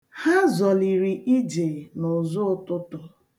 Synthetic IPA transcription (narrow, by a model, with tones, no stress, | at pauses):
ha˦zɔ˨li˨ɾi˨ʔi˦d͡ʒe˨nʊ˨zʊ˦tʊ˦tʊ˦